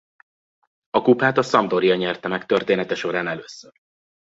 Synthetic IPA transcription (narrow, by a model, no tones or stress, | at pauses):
ɒkupaːt̪ɒsɒmd̪o̞ɾiɒɲɛrt̪ɛmɛkt̪ørt̪eːnɛt̪ɛʃo̞ɾaːnɛløːsːør